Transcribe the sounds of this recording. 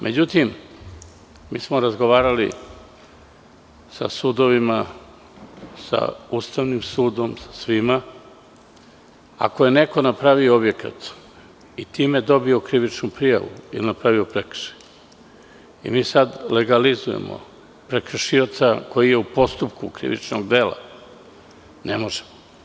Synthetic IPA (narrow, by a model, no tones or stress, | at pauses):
mʔe̞d͡ʑut̪im | miːsmo̞ɾazɡo̞ʋaːɾalḭ | sa̰sud̪o̞ʋima | sa̰ust̪aʋnimsuːd̪o̞msḁsʋima | a̰ko̞je̞ne̞ko̞napɾaʋioobje̞ka̰t̪ | it̪iːmed̪o̞bio̞kɾiʋit͡ʃnupɾija̰ʋṵḭlinapɾaʋiopɾekr̩̥ʃi̥ | ḭmiːsad̪le̞ɡalizuje̞̰mo̰ | pɾe̞kɾ̩ʃiot̪sako̞jije̞upo̞st̪upkukɾḭʋḭt͡ʃnoɡd̪e̞ːlˠa̰ | nemo̞ʒemo